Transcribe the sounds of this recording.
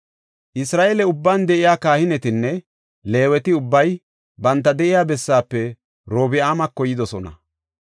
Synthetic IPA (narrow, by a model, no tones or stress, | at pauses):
ʔɪsɾaːʔeːlɛʊbːand̪ɛʔɪjaːkaːhɪnɛt̪ɪnːɛ | le̞ːwɛt̪ɪʊbːɐj | bɐnt̪̬ːɐd̪ɛʔɪjaːbɛsːaːpːɛ | ɾo̞ːbɪaːmɐkːɔjɪd̪ɔsɔnɐ̰